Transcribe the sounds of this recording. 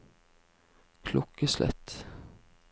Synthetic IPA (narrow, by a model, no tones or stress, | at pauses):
kʰlʊkːəslʔɛ̰t̪ː